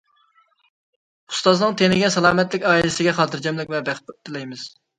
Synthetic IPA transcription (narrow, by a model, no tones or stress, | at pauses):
u̥st̪ɑznɨŋt̪ʰenɪɡʲɛsɑlˠɑːmɛt̪lɪkʲɑːilɪsɪɡʲɛχɑːt̪ʰɨɾd͡ʒɛmlɪkʲvɛbæχt̪t̪ʰːɪlɛjmɪz̥